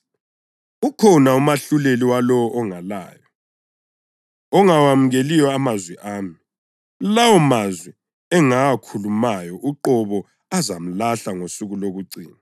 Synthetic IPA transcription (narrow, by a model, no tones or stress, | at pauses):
ukʰɔnaumaɬuleliwalɔwɔʔɔŋala̰ːjɔ | ɔŋawamuɣeliwɔamazwɛʔaːmi | lawɔmazwɛ | ɛŋaːkʰulumajɔʔuǃɔβɔ | azam̩laɬaŋosuɣuloɣuǀḭːna